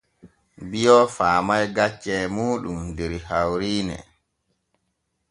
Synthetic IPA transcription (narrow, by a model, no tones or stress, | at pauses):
bijɔfaːmajɡat͡ʃːɛːmuːɗumdɛɾhawɾiːnɛ̰